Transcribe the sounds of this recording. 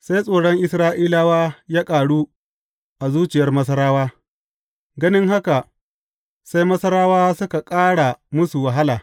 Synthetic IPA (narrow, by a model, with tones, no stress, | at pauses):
sa˦jsʼoː˨ɽɔ˦ŋʔɪ˨sɾaː˦ʔiː˦la˦waː˦jaː˦kʼaː˨ɽuː˦ | ʔa˨zuː˦t͡ʃɪ˨jɐ˦rmɐ˦s̬ɐ˦ɾaː˦waː˦ | ɡɐ˦nɪ˦ŋɦa˦ka˨ | sa˦jmɐ˦sɐ˦ɾaː˦waː˦sʊ˦ka˨kʼaː˦ɽa˨mʊ˦su˨wa˨ɦa˦laː˨